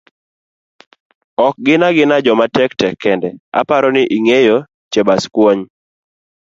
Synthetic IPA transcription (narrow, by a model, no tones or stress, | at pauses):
ɔk̚ɡɪnaɡɪnad͡ʒɔmatɛktɛkːɛndɛa̰paɾɔnɪʔiŋejo | t͡ʃɛbaskwoɲ